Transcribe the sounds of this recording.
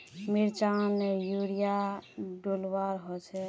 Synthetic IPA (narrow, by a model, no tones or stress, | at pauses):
miɾt͡ʃanejuɾijaɖolwaɾɦɔt͡ʃʰɛ